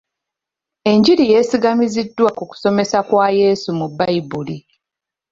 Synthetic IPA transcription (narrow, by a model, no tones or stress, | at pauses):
e̞ɲɟiɾije̞ːsiɡamizidːwakuku̥so̞me̞sakwaje̞ːsumubːajibuli